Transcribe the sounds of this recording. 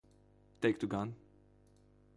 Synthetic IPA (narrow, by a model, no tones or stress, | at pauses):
t̪eɪk̚t̪uɡãn